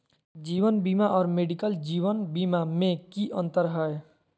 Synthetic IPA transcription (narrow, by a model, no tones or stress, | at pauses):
d͡ʒiːʋənbiːmaʔɔːɾmeːɖikəld͡ʒiːwənbiːmamẽkiʔə̃nt̪əɾɦəe